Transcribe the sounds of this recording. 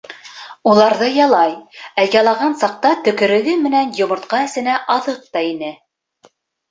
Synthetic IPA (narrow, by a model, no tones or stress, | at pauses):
ulˠɑɾðɤjɑlˠɑjæjɑlˠɑʁɑnsɑq̚t̪ɑt̪ɵ̆kɵ̆ɾɘ̆ɡɘmɘ̆nænjŏmŏɾt̪qɑɘ̆sɘ̆næʔɑðɤq̚t̪ɑinɘ